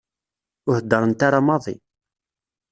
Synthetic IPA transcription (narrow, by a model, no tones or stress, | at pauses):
ʊhəd̪ːɑɾˤənt̪aɾamɑðˤḭ